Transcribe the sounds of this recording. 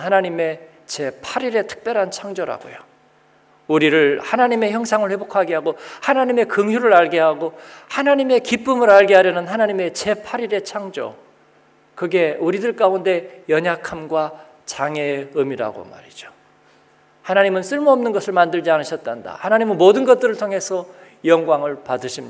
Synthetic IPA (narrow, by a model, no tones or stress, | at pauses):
hanaɲime̞ | t͡ɕe̞pʰaɾiɾe̞tʰɯ̥k̚p͈jʌɾɦant͡ɕʰaŋd͡ʑoɾa̰ɡo̰jo | uɾiɾɯɭhanaɲime̞çjʌŋsʰaŋɯɭɸwe̞bokʰaɡeɦaɡohanaɲime̞kɯŋjuɾɯɾaɭɡeɦaɡohanaɲime̞kip͈ɯmɯɾaɭɡeɦaɾjʌnɯnɦanaɲime̞t͡ɕe̞pʰaɾiɾe̞t͡ɕʰaŋd͡ʑo̰ | kɯɡe̞uɾidɯɭk͈aunde̞jʌɲakʰamɡwa | t͡ɕaŋe̞ɯmiɾa̰ɡo̰ma̰ɾid͡ʑo̥ | hanaɲimɯns͈ʰɯɭmoʌmnɯnɡʌsʰɯɭmandɯɭd͡ʑianɯɕʰʌt̚t͈anda̰hanaɲimɯnmodɯnɡʌt̚t͈ɯɾɯɭtʰoŋɦe̞sʰʌ | jʌŋɡwaŋɯɭpadɯɕʰimɲi